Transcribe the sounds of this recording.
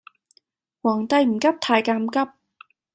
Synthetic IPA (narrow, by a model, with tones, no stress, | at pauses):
wɔː˨˩ŋt̪ɐ˧jm̩˨˩kɐ˥p̚t̪ʰaː˧jkaː˧mkɐ˥p̚